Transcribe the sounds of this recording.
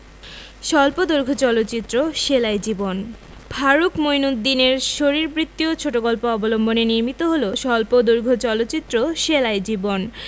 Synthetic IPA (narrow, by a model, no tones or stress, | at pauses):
ʃɔlpod̪oɾɡʱot͡ɕɔlot̪ːɕit̪ːɾoʃelajd͡ʑibon | bʱaɾukmojnud̪d̪ːineɾʃoɾiɾbɾit̪ːiot͡ɕʰoʈokɔlpoɔbolombʱoneniɾmit̪oɦoloʃɔlpod̪oɾɡʱot͡ɕɔlot̪ːɕit̪ːɾoʃelajd͡ʑibon